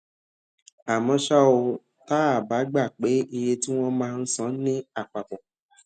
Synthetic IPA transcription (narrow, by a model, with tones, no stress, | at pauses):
a˨mɔ̃˧ʃa˦o˧ | ta˦a˦˨ba˨˦ɡ͡ba˦˨k͡pe˨˦i˧je˧ti˦w̃ɔ̃˦mãː˦˧n̩˦sã˦nĩ˦a˦˨k͡pa˨k͡pɔ˨